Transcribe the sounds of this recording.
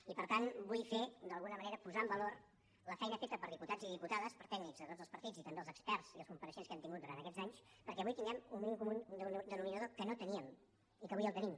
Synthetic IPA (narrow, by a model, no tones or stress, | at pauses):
ipəɾt̪anbujfed̪əlˠɣunəməneɾəpuzaəmbəlor | ləfɛjnəfet̪əpəɾðiput̪ad͡ziðiput̪aðəspəɾt̪ɛɡnikzðət̪odd͡zəlˠpəɾt̪id͡zit̪ənd̪eəlˠzəkspɛrz̥iəlˠskumpəɾəʃenskɛmt̪iŋɡut̪̚uɾant̪əkɛd͡zaɲspəɾkɛəβujt̪inɛmumminimkumund̪nd̪ənuminəðokənot̪əniəm | ikəβujəlˠt̪ənim